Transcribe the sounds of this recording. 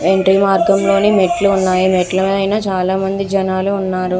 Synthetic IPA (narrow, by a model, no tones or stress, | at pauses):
eɳʈɾiːmaːɾɡɐmlo̞ːnimeʈluːnːaːjimɛʈlɐɐjnaːt͡ʃaːlaːmɐnd̪id͡ʒɐnaːluːnːaːɾu